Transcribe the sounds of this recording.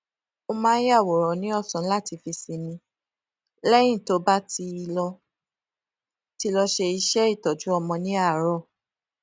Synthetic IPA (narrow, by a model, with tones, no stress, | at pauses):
o˧mãː˦a˦˨wɔ˨ɾɔ˨nĩ˨˦ɔ˦˨sɔ̃˨˦la˦˨ti˨˧fi˧si˧nĩ˧ | lɛ˦j̃ĩ˦˨to˨˦ba˦ti˧i˧lɔ˧ | ti˧lɔ˧ʃe˧i˧ʃɛ˦i˦˨tɔ˨d͡ʒu˨˦ɔ˧mɔ̃˧nĩ˦a˦˨ɾɔ˦˨